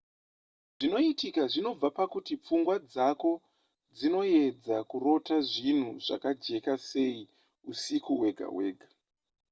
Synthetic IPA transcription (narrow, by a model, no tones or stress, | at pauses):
ʐino̞itikaʐino̞b͡vapakutip͡fuŋɡwad͡zako̞ | d͡zino̞je̞d͡zakuro̞taʐin̤uʐa̰kad͡ʒe̞kase̞i | usikuwe̞ɡʱa̰we̞ːɡʱa